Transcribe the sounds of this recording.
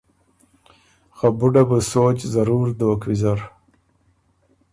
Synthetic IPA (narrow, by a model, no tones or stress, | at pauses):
xabuɖabəsoːt͡ʃzaɾuɾd̪owkwizaɾ